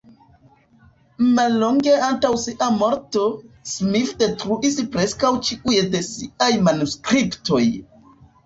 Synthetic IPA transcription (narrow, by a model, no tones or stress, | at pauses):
malːoŋɡe̞antawsiʔamo̞ɾto̞smifde̞tɾuispɾe̞skawt͡ʃiʔujede̞siʔajmanuskɾipto̞j